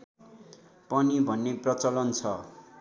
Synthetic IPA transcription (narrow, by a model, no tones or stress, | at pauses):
pʌnibʱʌnːeprʌt͡sʌlʌnt͡sʰʌ